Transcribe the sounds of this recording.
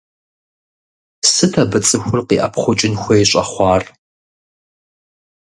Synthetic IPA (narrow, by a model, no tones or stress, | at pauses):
sɨtʰɐbɨt͡sʼɨxʷʊrqḭːʔɐ̰pχʷʊt͡ʃʼɪnxʷɐjɕʼɐχʷɑːr